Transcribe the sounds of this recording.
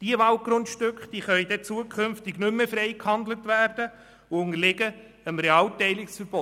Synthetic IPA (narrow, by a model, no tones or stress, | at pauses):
d̥iəʋɑlt̚ɡ̥ɾʊntʃtʏkχd̥iːχœʏjd̥̪ɛt͡suəkʰʏnftɪɡnʏmːəfɾɛɪkhɑnd̪lətʋæːɾd̥ə | ʊʊŋəlɪɡə | əmɾeɑːltɛɪlɪksfəɾb̥ɔ